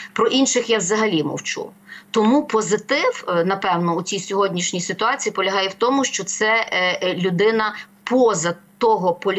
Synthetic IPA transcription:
pɾɔʔinʃɪxjawzɐɦɐlʲimɔ̰wt͡ʃṵ | t̪ɔmupɔzɪt̪ɪwnɐpɛwnɔut͡sʲijsʲɔɦɔdʲnʲiʃnʲijsɪt̪ʊɑt͡sʲijipɔlʲɐɦɑjɛwt̪ɔmʊʃt͡ʃɔt̪sɛlʲʊd̪ɪnɐpɔzɐt̪ɔɦɔpɔlʲ

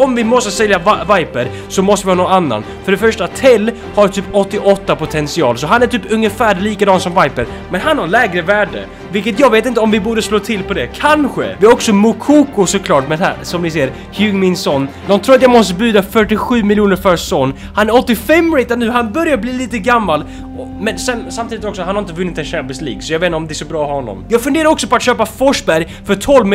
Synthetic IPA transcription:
ɔmvɪmɔst̪əsɛljavvajpəɾ | sɔmɔst̪əvɪhɑːnɔnanːa̰n | fœɖɛfœʂʈat̪ʰɛlː | haɾʈ̪ʰyːpɔt̪ːɪʔɔt̪ːapʊt̪ʰɛnsɪɑ̰ːlsɔɦanæʈʰyːpɵŋjəfæːɾliːkad̪ɑːnsɔmvajpəɾ | mɛnɦanhaɾɭɛːɡɾəvæːɖə̰ | vɪlkət̪̬jɑːɡveːt̪ɪnt̪əɔmvɪbuːɖəsloːt̪ʰɪlpʰɔd̪ɛkʰanɧə̰vɪhaɔksɔmʊkʰuːkʊsɔkʰlɑːʈmɛnɦæ̰ɾsɔmnɪs̬eːɾ | hjʉɡmɪnsɔnːd̪ɔmt̪ʰɾuːɾat̪jamɔst̪əbʉ̟ːd̪afœʈːɪɧʉ̟ːmɪljuːnəɾfœɾsɔnː | hanæɾɔt̪ːɪfɛmːɾɛjt̪ad̪nʉːɦanbœɾjaɾbliːliːt̪əɡamːal | ɔ | mɛnsɛnsamt̪iːd̪ɪt̪ɔksɔhanhaɾɪnt̪əvɵnːɪt̪ɛnɕæmpɪslḭːɡsɔjɑɡveːt̪nəɔmd̪ɛsɔbɾɑːhɾɔnːɔ̰mjɑːɡfɵnd̪eːɾaɾɔksɔpɔat̪ɕøːpafɔʂbæɾj | fœɾt̪ʰɔlvm

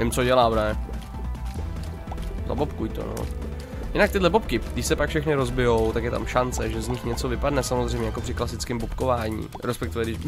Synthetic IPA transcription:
ɪmt͡soɟɛlaːbnɛ | za̰bopkujt̪o̰no̰ | jɪnak̚t̪ɪdlɛbopkɪɡdɪʃsɛpakfʃɛxnɪɾozbɪjo̞wt̪akjɛt̪a̰mʃant͡sɛʒɛzɲɪxɲɛt͡so̞vɪpadnɛsamozr̝ɛjmɲɛjakopr̥ɪklasɪt͡skɪmbopkovaːɲḭːɾɛspɛkt̪ɪvɛɡdɪʃ

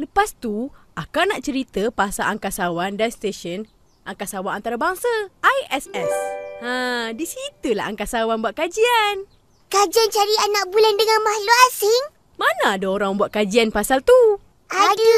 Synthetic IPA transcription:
ləpast̪uʔakanaʔt͡ʃəɾit̪əpasalʔaŋkasawandanst̪eʃən | ʔaŋkasawanant̪aɾabaŋsaʔajɛsɛsadisit̪ula̰a̰ŋkasawanbuaʔkad͡ʒian | kad͡ʒiant͡ʃaɾianːaʔbulandəŋãnmahloasɪŋ | manaːdaoɾaŋməmbuaʔkad͡ʒianpasalt̪u | ad

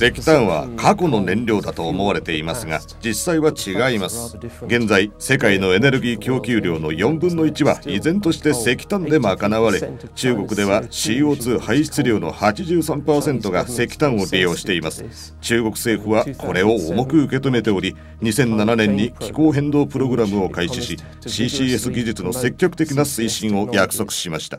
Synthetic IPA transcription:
se̞kʲi̥t̪ãɰ̃β̞a̰kʰako̞no̞nẽ̞nɾʲo̞ːd̪at̪o̞ːmo̞βaɾe̞t̪e̞imasɨɡa̰ | d͡ʑisːaiβat͡ɕiɡaimasɨ̥ɡẽ̞nd͡zaise̞kaino̞e̞ne̞ɾɯ̟ɡʲiːkʲo̞ːkʲɨːɾʲo̞ːno̞jõ̞mbɯ̃nːo̞it͡ɕiβa̰izẽ̞nt̪o̞ɕi̥t̪e̞se̞kʲi̥t̪ãnd̪e̞mo̞akanaβaɾe̞t͡ɕɨːɡo̞kɯ̟d̪e̞βaɕiːo̞ːt͡sɨːhaiɕi̥t͡sɨɾʲo̞ːno̞̰hat͡ɕiʑɨːsãmpaːsẽ̞nt̪o̞ɡase̞kʲi̥t̪ãɰ̃o̞ɾʲijo̞ːɕi̥t̪e̞imasɨ̥ | t͡ɕɨːɡo̞kɯ̟̥se̞ːɸɯ̟βakʰo̞ɾe̞o̞ːmo̞kɯ̟ɯke̞t̪o̞me̞t̪e̞oɾʲi | ɲ̟isẽ̞nːananẽ̞ɲ̟ːikʲi̥ko̞ːɦẽ̞nd̪o̞ːpɯ̟ɾo̞ɡɯ̟ɾamɯ̟o̞kaiɕiɕi | ɕiːɕiːe̞sɨɡʲiʑit͡sɨno̞se̞kʲːo̞kɯ̟t̪e̞kʲinasɨiɕĩɰ̃o̞jakɯ̟̥so̞kɯ̟̥ɕimaɕi̥t̪ḁ

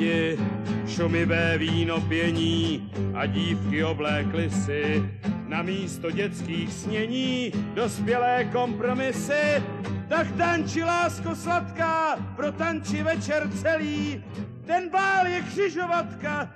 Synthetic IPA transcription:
ɪ | ʃumɪvɛːviːno̞pjɛɲiː | ʔa̰ɟiːfkɪo̞blɛːklɪsɪnamiːst̪o̞ɟɛt͡skiːxsɲɛɲiːdo̞spjɛlɛːko̞mpɾo̞mɪsɪt̪akt̪ant͡ʃɪlaːskoslat̪kaːpɾo̞t̪ant͡ʃɪvɛt͡ʃɛɾt͡sɛliː | t̪ɛnbaːljɛkr̝̥ɪʒo̞vat̪ka

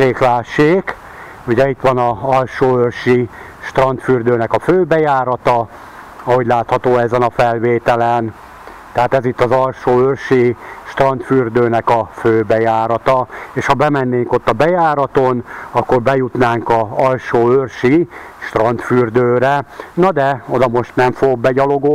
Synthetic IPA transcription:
eːklaːʃeːk | uɟɛit̪ʋɒnɒɒlʃoːørʃi | ʃt̪rɒnt̪fyrd̪øːnɛkɒføːbɛjaːɾɒt̪ɒ | ɒɦoɟlaːt̪hɒt̪oːɛzɛnɒfɛlveːt̪ɛlɛn | t̪ɛɦaːt̪ɛzit̪ːɒzɒlʃoːørʃiʃt̪rɒnt̪fyrd̪øːnɛkɒføːbɛjaːɾɒt̪ɒeːʃhɒbɛmɛnːeːŋko̞t̪ːɒbɛjaːɾɒt̪onɒkːorbɛjut̪naːŋkɒɒlʃoːørʃi | ʃt̪rɒnt̪fyrd̪øːɾɛnɒd̪ɛod̪ɒmo̞ʃt̪nɛɱfoɡok̚bɛɟɒlo̞ɡoː

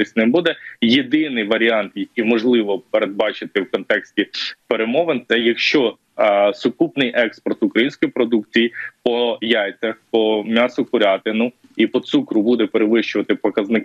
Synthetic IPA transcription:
ɪsʲnɛbud̪ɛjed̪ɪnɪjʋɐɾʲiɑnt̪jɐk̚ʲijmɔʒlˠɪʋɔpeɾed̪̚bɑt͡ʃɪt̪ɪwkɔnt̪ɛksʲtʲipeɾemɔʋent̪sɛjɐkʃt͡ʃɔ | sʊkupnɪjʔɛkspɔrt̪ʊkɾɐjinʲsʲkɔjipɾɔd̪ukt͡sʲijipɔjɑjt͡sʲɐxpɔmʲɑsʊkʊɾʲɑt̪ɪnʊ | ipɔt̪sukɾʊbud̪ɛpeɾeʋɪʃt͡ʃʊʋɐt̪ɪpɔkɐznɪk

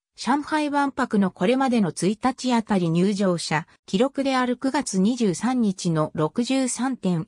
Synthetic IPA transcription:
ɕãɰ̃haiβãmpakɯ̟no̞ko̞ɾe̞mad̪e̞no̞t͡sɨit̪at͡ɕiat̪aɾʲiɲ̟ɨːʑo̞ːɕa | kʲiɾo̞kɯ̟d̪e̞aɾɯ̟kɯ̟ɡat͡sɨɲ̟iʑɨːsãɲ̟ːit͡ɕino̞ɾo̞kɯ̟ʑɨːsãnt̪ẽ̞ɰ

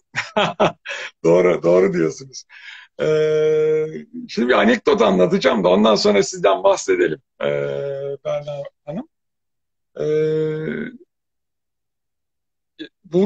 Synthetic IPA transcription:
ad̪o̞ːɾud̪o̞ːɾud̪ijo̞sunuz̥ɛ | ʃimd̪ibianɛk̚d̪o̞t̪anlˠat̪ɯd͡ʒamd̪ao̞nd̪anso̞nɾasizd̪ænbahse̞d̪e̞lʲimɛ̰bæɾnaːhanɯm | ɛː | bu

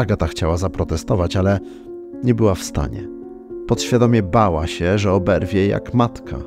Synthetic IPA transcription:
aɡat̪axt͡ɕawazapɾɔt̪ɛst̪ɔvat͡ɕalɛ | ɲɛbɘwafst̪a̰ɲɛ̰ | pɔt̪ɕfʲjad̪ɔmʲjɛbawaɕɛʐɛɔbɛɾvʲjɛja̰kmat̪kʰa̰

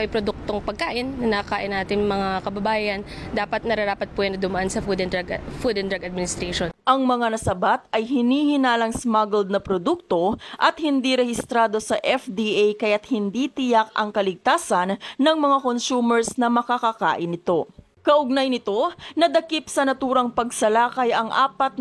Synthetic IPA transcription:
ʔɐjpɾod̪uk̚t̪oŋpɐɡ̚kaːʔɪnːɐnɐkaːʔɪnaːt̪ɪŋmɐŋakɐbɐbaːjɐnd̪aːpɐt̪̚nɐɾɐɾaːpɐt̪̚puɛjɐnːɐd̪ʊmɐʔansɐfud̪ɛnɡfud̪ɛnd̪ɾaɡɐd̪mɪnɪst̪ɾaʃonʔɐŋmɐŋanɐsɐbat̪̚ʔɐjhɪniːhɪnaːlɐŋsmaɡɛld̪̚nɐpɾod̪uk̚t̪o̞ʔɐt̪hɪnd̪iɾɛhɪst̪ɾaːd̪o̞sɐʔɛfd̪iʔajkɐjat̪̚hɪnd̪it̪ɪjak̚ʔɐ̰ŋkɐlɪɡ̚t̪aːsɐnːɐŋmɐŋako̞nsuːmɛɹsnɐmɐkakaka̰ːʔɪnɪt̪o̞ | kɐʔʊɡ̚najnɪt̪o̞nɐd̪ɐkipsɐnɐt̪uːɾɐŋpɐɡ̚sɐlaːkɐjɐŋʔa̰ːpɐt̪̚

